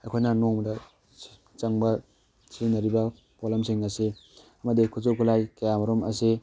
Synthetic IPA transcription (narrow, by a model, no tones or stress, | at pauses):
ɐjkʰojnɐnɔŋmdɐ | t͡ʃɐŋbɐ | sʰinɐɾibɐ | polamsiŋɐse | ɐmɐdikʰuzokʰulajkajamɐɾomɐ̰se